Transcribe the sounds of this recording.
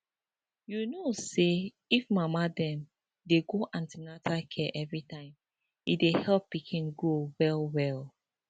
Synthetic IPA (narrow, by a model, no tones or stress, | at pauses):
junose | ifmamadɛ̃m | deɡoʔãntinatʰakʰɛʔɛvɹitãɪ̃m | ḭdehɛlpːikʰĩnɡowɛlwɛl